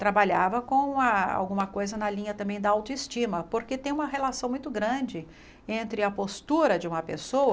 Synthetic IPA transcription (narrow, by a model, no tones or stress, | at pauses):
t̪ɾabaʎavɐkõw̃ɐa̰wɡũmɐkojzɐnɐlĩɲɐt̪ɐ̃mbẽj̃d̪ɐawt̪oist͡ʃĩmɐpoɾket̪ẽj̃ũmɐɦelasɐ̃w̃mũj̃t̪ʊɡɾɐ̃d͡ʒɪ | ẽnt̪ɾɪɐpost̪uɾɐd͡ʒɪũmɐpḛsowɐ